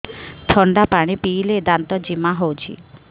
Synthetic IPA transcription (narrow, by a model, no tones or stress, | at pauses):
t̪ʰɔɳɖapaɽ̃ipiːled̪ant̪ɔd͡ʒimaɦowt͡ʃʰḭ